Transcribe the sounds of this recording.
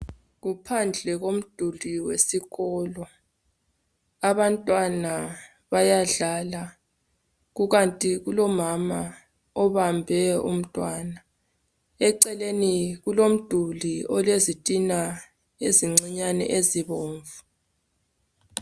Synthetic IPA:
ɣupʰand͡ɮʱɛɣom̩d̥ʱuliwesiɣɔːlɔ | aβantʼwana | βajaɮala | ɣuɣantʼiɣulɔmama | ɔβambʱɛṵm̩tʼwaːna | ɛǀɛleniɣulom̩d̥ʱuliɔlezitʼina | eziŋ͡ǀiɲanɛ̰ʔeziβoːɱvu

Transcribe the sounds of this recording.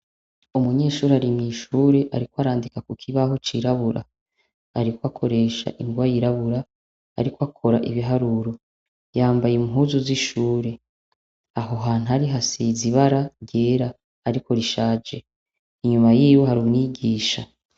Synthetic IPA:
umuɲe̞ːʃuːɾeaɾimŋiːʃuːɾe̞ʔaɾikwoaɾaːndikakukʰiβaɦo̞t͡ʃiɾaβuɾa̰ | a̰ɾikwakʰo̞ɾe̞ʃa̰ʔiŋɡwajiɾaβuɾa | a̰ɾikwakʰo̞ɾaʔiβiɦaɾuɾo̞ | jaːmbajemuɦuzuziʃuːɾe̞ | aɦo̞ɦaːn̥uaɾiɦasiziβaɾaɾɟe̞ːɾaː | ɾiko̞ɾiʃaːd͡ʒe̞ | iɲumajiːwo̞haɾumŋiːɡiːʃa

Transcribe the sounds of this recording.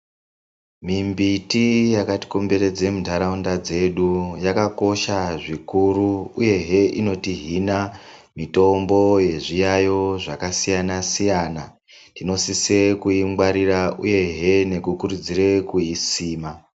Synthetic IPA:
mimbitijakati̥kumbe̞ɾe̞d͡ze̞mudʱaɾaundad͡ze̞ɗujakako̞ʃaʐikuɾuːje̞ɦeʔino̞tiɦina | mito̞mbo̞je̞ʐijajo̞ʐakasijanasijana | tino̞sise̞kuimɡwaɾiraʔuje̞ɦe̞ne̞kukurud͡zire̞kuisiːma

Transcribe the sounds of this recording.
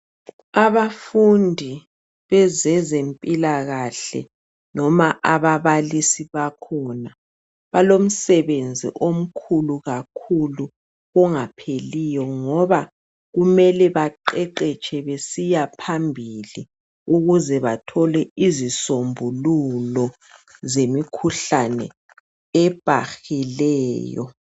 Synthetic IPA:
aβafundʱi | βɛzɛzempʼilaɣaɬɛ̰ | nɔmaʔaβaβalisiβakʰɔna | βalom̩sɛβend͡zʱḭʔom̩kʰuluɣakʰulu | ɔŋapʰelijɔŋɔβa | ɣumɛlɛβaǃɛǃɛt͡ʃʰɛβesijapʰambʱili | uɣuzɛβatʰɔlɛizisombʱululɔ | zemikʰuɬanɛ̰ | ɛb̥ʱaxilɛːjɔ̰

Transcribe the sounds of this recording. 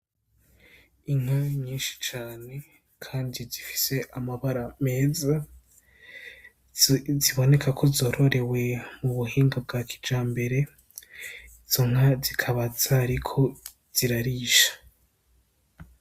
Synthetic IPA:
iŋ̥haɲiːnʃi̥t͡ʃaːne̞ | kʰaːndizifi̥se̞ʔamaβaɾame̞ːza | ziβo̞ne̞kʰakʰo̞zo̞ːɾo̞ɾe̞we̞muβuɦiːŋɡab̚ɡaːkʰi̥d͡ʒaːmbe̞ɾe̞ | iz̥o̞ŋ̥azikʰaβaz̥aɾikʰo̞ | z̥iɾaɾiːʃḁ

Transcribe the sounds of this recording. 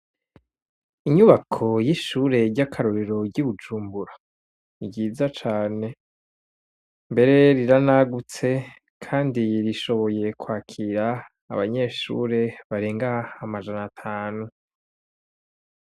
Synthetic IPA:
iɲuβakʰo̞jiʃuːɾe̞ɟakʰaɾoɾeɾo̞ɟuβud͡ʒuːmbuɾa | iɡɟiːzat͡ʃaːne̞ | mbe̞ɾe̞ɾiɾanaɡut͡se̞ | kʰaːndiɾiʃo̞βo̞je̞kwaːkʰiɾa̰ː | βa̰ɲe̞ʃṵːɾe̞βaɾeːŋɡaːmad͡ʒanatʰaːnu

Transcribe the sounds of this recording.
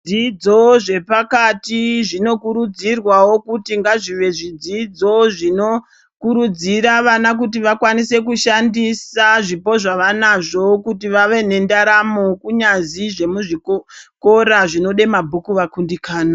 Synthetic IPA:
id͡zo̞ʐe̞pakatiʐino̞kuɾud͡zirwawo̞kutiŋɡaʐiʋe̞ʐid͡zid͡zo̞ʐino̞ | kuɾud͡ziɾaʋanak̬ut̬iʋakwanise̞kuʃandisaʐipo̞ʐaʋanaʐo̞kutiʋaʋe̞ne̞ndaɾamo̞kuɲaziʐe̞muʐikko̞ɾaʐino̞ɗe̞mabʱukuʋakundikaːna

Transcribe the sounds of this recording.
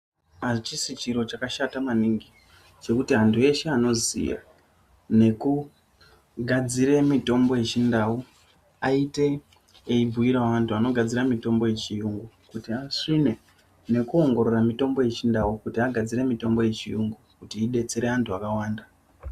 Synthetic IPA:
at͡ʃisit͡ʃiɾo̞t͡ʃakaʃatamaniŋɡi | t͡ʃe̞kutiɦantʰue̞ʃe̞ano̞zḭja̰ | ne̞ku | ɡʱad͡ziɾe̞mito̞mbo̞je̞t͡ʃindau | aite̞ː | ibʱuiɾaʋantʰuano̞ɡʱad͡ziɾamito̞mbo̞je̞t͡ʃijuŋɡu | kutiasine̞ | ne̞kuo̞ŋɡo̞ɾo̞ramito̞mbo̞je̞t͡ʃindaukutiaɡʱad͡ziɾe̞mito̞mbo̞je̞t͡ʃijuŋɡukutiːɗe̞t͡se̞ɾe̞antʰuakawaːnda

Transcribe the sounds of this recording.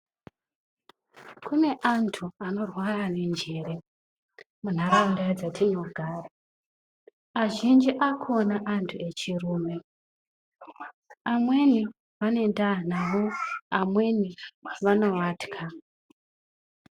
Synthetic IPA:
kune̞ʔantʰuano̞rwarane̞nd͡ʒe̞ɾe̞ | mun̤arandad͡zatʰinoɡʱaːra | aʒind͡ʒiʔakʰo̞naʔantʰue̞t͡ʃiruːme̞ | amwe̞ni | ʋane̞ndanaʋoamwe̞niʋano̞ʋaːtkʰa

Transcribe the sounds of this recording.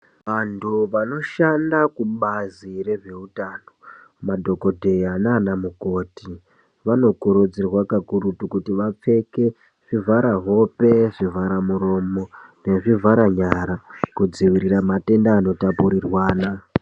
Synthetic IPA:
ʋantʰuʋano̞ʃandakuɓazire̞ʐe̞utano | madʱo̞ko̞dʱe̞janaːnamuko̞ːti | ʋano̞kuɾud͡zirwakakuɾutukutiʋap͡fe̞ke̞ | ʐ̥ivʱaɾaɦo̞pe̞ʐivaɾamuɾo̞mo̞ne̞ʐivʱaɾaɲaɾakud͡ziʋiɾiramate̞ndaːno̞tapuɾirwaːna

